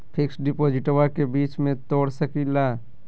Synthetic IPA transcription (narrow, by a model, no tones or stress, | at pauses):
pʰɪksɖɪpoːd͡ʒɪʈoakebiːt͡ʃmẽt̪oːɽsəkila